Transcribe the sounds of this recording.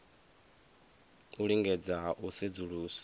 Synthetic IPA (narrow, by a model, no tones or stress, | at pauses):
uɺiŋɡɛd͡zaʔusid͡zuɺuːsḁ